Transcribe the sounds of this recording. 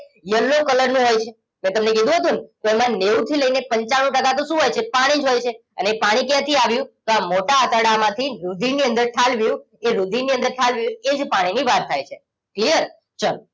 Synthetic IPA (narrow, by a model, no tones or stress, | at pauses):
jəlːokələɾnũɦojt͡ʃʰe | mɛ̃t̪əmnekid̪ʱũɦət̪ũnt̪oemãnewt̪ʰiləinepəɲt͡ʃaɽ̃ũʈəkat̪oʃũɦojt͡ʃʰepaɽ̃id͡ʒɦojt͡ʃʰeənepaɽ̃ikjãt̪ʰiaʋjũt̪oamoʈaːt̪əɽamãt̪ʰiɾud̪ʱiniə̃nd̪əɾʈʰalʋjũ | eɾud̪ʱiniə̃nd̪əɾʈʰalʋjũed͡ʒpaɽ̃iniʋaɾt̪ʰajt͡ʃʰe | klijəɾ | t͡ʃəl